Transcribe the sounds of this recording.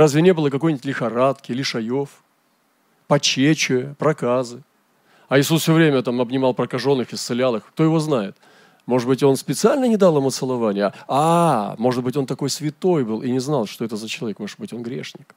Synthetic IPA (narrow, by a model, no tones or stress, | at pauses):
razʲvʲɪnʲe̞bɨlˠəkɐkojnʲɪtʲlʲɪxɐɾat̪kʲɪlʲɪʂɐjo̞f | pɐt͡ɕet͡ɕʊjəpɾɐkazɨ | ɐjɪsusfsʲovɾʲemʲət̪amɐbnʲɪmɑlˠpɾəkɐʐo̞nːɨxɪst̪sɨlʲalˠɨxkt̪o̞jɪvo̞znajɪt̪ | mo̞ʐɨd̪bɨtʲo̞nspʲɪt̪sɨalʲnənʲɪd̪alˠɐmət̪sɨlˠɐvanʲɪjəamo̞ʐɨt̪̚bɨtʲo̞nt̪ɐko̞jsvʲɪt̪o̞jbɨlˠinʲɪznɑlˠʂt̪oɛt̪əzət͡ɕɪlˠɐvʲekmo̞ʐɨt̪̚bɨtʲo̞nɡɾʲḛʂnʲɪk